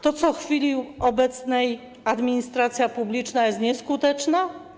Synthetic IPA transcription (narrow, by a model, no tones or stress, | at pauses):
t̪ɔt̪sɔxfʲilʲiɔbɛt̪snɛj | ad̪mʲiɲist̪ɾat̪sʲjapublʲit͡ʂnajɛst̪ɲɛskut̪ɛt͡ʂna